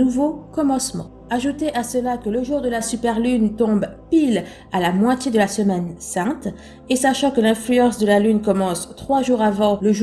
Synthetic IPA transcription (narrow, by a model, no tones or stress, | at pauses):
uvokɔmɑ̃smɑ̰̃ | aʒut̪eʔasəlakələʒuʁd̪əlasypɛʁlynt̪ɔ̃bpil | alamwat̪jed̪əlasəmɛnsɛ̃t̪ | esaʃɑ̃kəlɛ̃flyɑ̃sd̪əlalynkɔmɑ̃st̪χwaʒuʁavɑ̃ləʒ